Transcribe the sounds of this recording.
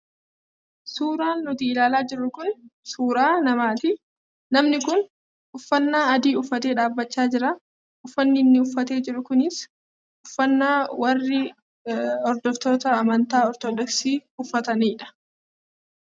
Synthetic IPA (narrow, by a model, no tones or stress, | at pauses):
suːɾaːnːʊt̪iɪlaːlaːd͡ʒɪrːʊkʊnsuːɾaːnɐmaːt̪ɪ | nɐmnɪkʊn | ʊfːɐnːaːɐd̪iːʊfːɐt̪e̞ːᶑaːbːɐt͡ʃːaːd͡ʒɪɾɐ | ʊfːɐnːɪnːɪʊfːɐt̪e̞ːd͡ʒɪɾːʊkʊnɪs | ʊfːɐnːaːwɐrːɪ | ɔɾd̪ɔft̪o̞ːt̪ɐːmɐnt̪aːɔɾt̪ɔd̪ɔksiːʊfːɐt̪ɐniːᶑɐ̥